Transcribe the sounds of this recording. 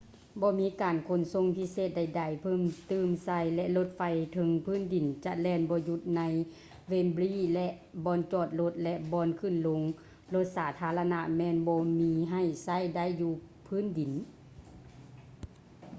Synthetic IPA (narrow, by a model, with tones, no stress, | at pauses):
bɔː˧˦miː˧˥kaː˨nkʰo˧˥nso˧˨ŋpʰi˧˥seː˧˨t̪̚da˧˩jda˨˧˩jpʰɤː˧˥˨mt̪ɯː˧˩msa˧˩˨jlɛ˧ʔlo˧˦t̪̚fa˧jt̪ʰɤ˧˦ŋpʰɯː˧˥˨ndi˨˩nt͡ɕa˧ʔ̚lɛː˧˩nbɔː˧ju˧˦t̪̚na˧˥j | weː˧˨nbliː˧˥˩lɛ˧ʔ | bɔː˧˥nt͡ɕɔː˧˩t̪̚lo˧˦t̪̚lɛ˧ʔbɔː˧˥nkʰɯ˧˥˨nlo˧˦ŋ | lo˧˦t̪̚saː˨˩˦t̪ʰaː˧˦la˧na˧mɛː˧˥˨nbɔː˧˦miː˧ɦa˧˩jsa˧˥˨jda˧˥˨jːuː˧ | pʰɯː˧˥˨ndi˨˩n